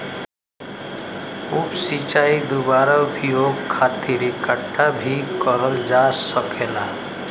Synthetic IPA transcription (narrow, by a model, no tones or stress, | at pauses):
upsit͡ʃaːid̪ubaɾabʱijoɡkʰːaːt̪iɾikəʈʰːabʱikəɾəld͡ʒasəkʰeːla